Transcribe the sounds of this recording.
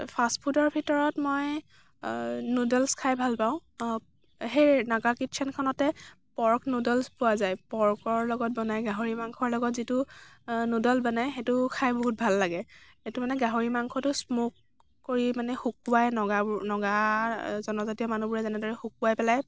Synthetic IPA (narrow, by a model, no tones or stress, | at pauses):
pʰastpʰutɔɹbʱitɔɹɔtmɔj | nudɔlskʰajbʱalpãʊ̃ | ɦejnaɡakitt͡ʃʰɛnkʰɔnɔtɛ | pɔɹknudɔlspʊwazajpɔɹkɔɹlɔɡɔt̚bɔnajɡaɦoɹimaŋkʰɔɹlɔɡɔtzitʊnudɔlbɔnajxetʊkʰajboɦut̚bʱalːaɡɛ | etumanɛɡaɦoɹimaŋkʰɔtʊsmok̚ | koɹimanɛxuk̚uwajnɔɡabnɔɡazɔnɔzatiɔmanubuɹɛzɛnɛdɔɹɛxuk̚uwajpɛlaj